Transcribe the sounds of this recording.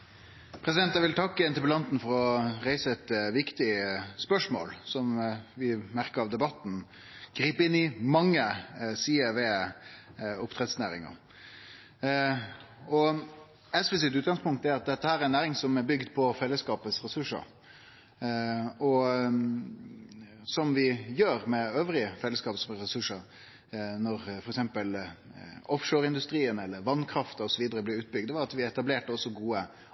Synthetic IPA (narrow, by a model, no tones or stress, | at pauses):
pʰɾɛsɪd̪ɛnt̪ːæɪʋɪlt̪ʰɑkːəɛnt̪əpəlɑnt̪n̩fɔɾɔɾæɪsəɛt̪ʋɪkt̪ɪspœʂmo̰ːlsɔmʋɪmæɾkəɾɑʋd̪ɛbɑt̪ːn̩ | ɡ̥ɾiːpəɪnːɪmɑŋːəsiːəʋɛ | ʊpt̪ʰʁɛt̪snæːɾɪ̰ŋə̰ɾ | ɔ | ɛsfɛs̬ɪt̪ʉːt̪ɡɑŋspʰʊŋkt̪æɾɑt̪̚d̪ɛt̪ːəhæːɾæɾɛnæːɾɪŋsɔmæbʏɡd̪pʰɔfɛlːəskɑːpəsɾɛsʉʂə̰ɾ | ɔ | sɔmʋɪjøːɾmɛøːʋɾɪəfɛlːəskɑːpəsɾɛsʉʂəɾ | nɔɾfɔɾɛksɛmpəl | ɔfʂoːɾɪnd̪ʉst̪ɾiːənɛlːəɾʋɑnːkʰɾɑft̪əɔsɔʋiːd̪əɾəblɪʉːt̪̚bʏɡ̚d̪ʋɑɾɑt̪ʋɪɛt̪ɑbleːʈəɔsːɔɡuːə